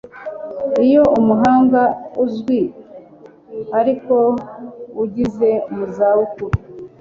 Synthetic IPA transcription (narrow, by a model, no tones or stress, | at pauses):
ijo̞ʔumuɦaːŋɡauzɡwi | aɾiko̞ | uɟize̞muzawukuɾu